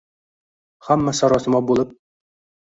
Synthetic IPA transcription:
hæmːæsɒɾɒsɤ̆mɑbulˠɤp̚

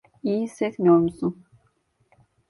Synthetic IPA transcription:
iːsɛtʲmijoɾmusun

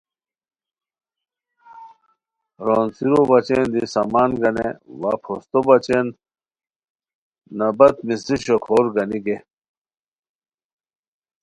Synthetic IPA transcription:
ɾoːnsiɾobɐt͡ɕend̪isɐmaːnɡɐnḛwaːpʰost̪obɐt͡ɕen | ɐbɐt̪misiɕokʰoːɾɡɐniɡe

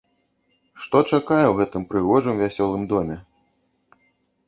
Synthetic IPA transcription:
ʂt̪ɔt͡ʂakajɛwɣɛt̪ɨmpɾɨɣɔʐɨmvʲasʲɔlˠɨmd̪ɔmʲɛ

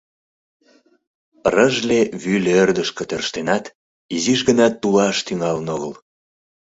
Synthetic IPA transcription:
rəʒleβylerd̪əʃkə̆t̪ørʃt̪enɑt̪ | iziʒɣənɑt̪ːulɑʃt̪yŋɑlənoɣəl

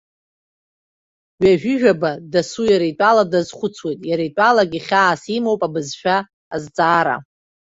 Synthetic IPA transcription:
ɥᶣaʒᶣʊʒᶣabadasujaɾaitʼaladazχʷʊt͡sʰwejtʼjaɾajtʷʼalaɡʲiχʲaːsimowpʼabɨzʃᶣaː | zt͡sʼaːɾa̰

